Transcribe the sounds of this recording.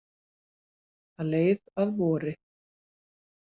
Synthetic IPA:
aleːjðaðvɔːɾɪ

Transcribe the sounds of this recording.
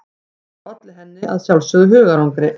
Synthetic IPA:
fɔt̪lɪhɛnːɪa̰ðsjawlsʏðɦʏːɣaɾɔwŋkɾɪ

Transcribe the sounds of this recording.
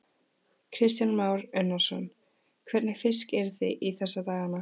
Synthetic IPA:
kʰɾɪst̪janmaːwɾœɥnːḁsɔn | kʰvɛɾt̪nɪfɪskɛɾθɪ̰ʔiθɛsːat̪aːɣana

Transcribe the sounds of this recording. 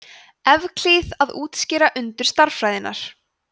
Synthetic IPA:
ɛvkl̥iːðaðuːt̪scɪːɾaʔʏnt̪ɪɾ̥st̪aɾfɾaːjðɪnʔa̰ɾ̥

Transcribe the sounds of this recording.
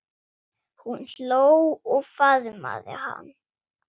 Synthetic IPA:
hunɬoːwɔɣfaðma̰ðɪ̰ha̰nː

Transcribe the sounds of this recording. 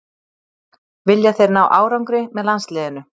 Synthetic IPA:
vɪljaθejɾnaːwʔaːwɾawŋkɾɪmɛðlanslɛːðɪnʏ

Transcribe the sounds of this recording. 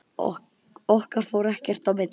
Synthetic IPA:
ɔ̰ | ɔhkaɾ̥fowɾɛhcɛr̥t̪awmɪt̪

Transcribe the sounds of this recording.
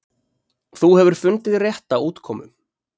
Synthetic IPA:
θuhɛvʏɾ̥fʏnt̪ɪðrjɛht̪auːt̪kʰɔːmʏ̰m

